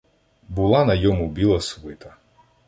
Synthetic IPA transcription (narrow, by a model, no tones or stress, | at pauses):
bʊlˠɑnɐjɔmubʲilˠɐsʊʋɪt̪ɐ